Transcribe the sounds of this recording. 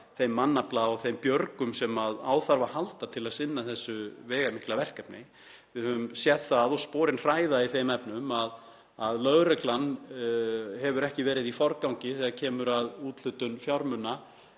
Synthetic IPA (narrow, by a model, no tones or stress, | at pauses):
θejmːanːaplaɔɣθejmpjœɾkʏmsɛmaðaːwθaɾvahalt̪at̪ʰɪlaðsɪnːaθɛsːʏvɛːɣamɪhklavɛr̥kɛpnɪ | vɪðhœvʏmsjɛt̪θaðɔɣspɔːɾɪnr̥aːjðaiθejmɛpnʏmað | aðlœɣɾɛklanː | hɛvʏɾɛhcɪvɛːɾɪðifɔɾkawɲcɪθɛɣacʰɛːmʏɾaðuːt̪l̥ʏt̪ʏnfjawɾmʏnːa